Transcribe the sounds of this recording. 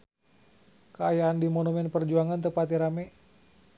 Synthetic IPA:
kəajaːndimonumɛnpərd͡ʒuaŋant̪əpat̪iɾamɛ

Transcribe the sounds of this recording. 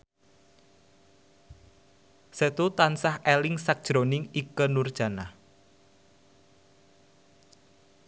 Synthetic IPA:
sət̪ut̪ansahɛlɪŋsak̚d̥ʒ̥ɾonɪŋikənurd̥ʒ̥a̤nah

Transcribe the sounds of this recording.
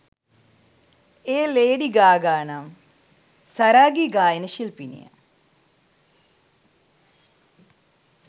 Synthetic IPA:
eːleːɖiɡaːɡaːnam | sɐɾaːɡiːɡaːjənəʃilpinḭja̰

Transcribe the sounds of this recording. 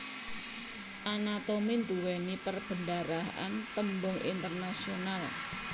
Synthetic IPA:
ʔanat̪omint̪uwɛnipərb̥əndaɾaa̰nt̪əmbʊŋʔḭnt̪ərnasional

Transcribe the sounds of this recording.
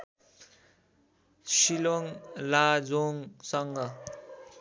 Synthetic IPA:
siloŋlad͡zoŋsʌŋɡʌ

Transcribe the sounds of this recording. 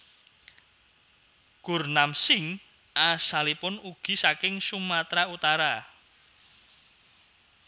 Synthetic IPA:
ɡ̥ṳrnamsɪŋ | ʔasalipʊnuɡ̥i̤sakɪŋsumat̪ɾaut̪aɾa

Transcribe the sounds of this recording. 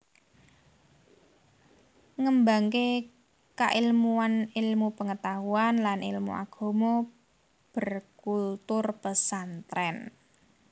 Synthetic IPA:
ŋəmbaŋke | ka̰ʔilmuanilmupəŋət̪aɦuanlanḭlmṵʔa̰ɡ̥o̤mo | b̥ə̤rkult̪ʊrpəsant̪ɾɛn

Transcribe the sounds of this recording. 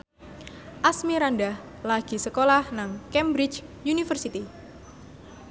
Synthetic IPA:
ʔasmiɾandah | laɡ̥i̤səkolahnaŋkɛmbɾit͡ʃjunifərsit̪i

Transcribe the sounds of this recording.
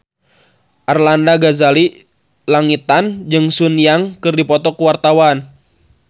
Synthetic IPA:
ʔarlandaɡazali | laŋit̪and͡ʒɨŋsunijaŋkɨrdipɔt̪ɔkuwart̪awan

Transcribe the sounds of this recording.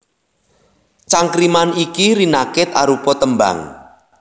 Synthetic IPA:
t͡ʃaŋkɾimanikiɾinakɪt̪aɾupɔt̪əmba̰ŋ

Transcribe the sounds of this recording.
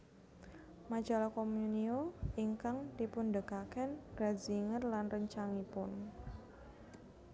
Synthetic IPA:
mad͡ʒalakomjunioiŋkaŋd̪ipʊndəkakənɡ̥ɾaziŋərlanrəɲt͡ʃaŋipʊn

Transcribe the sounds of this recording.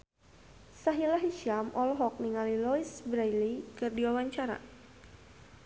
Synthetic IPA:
saɦilaɦiʃamʔɔlɦɔk̚niŋalilɔisbɾajlikɨrdiwawaɲt͡ʃaɾa̰

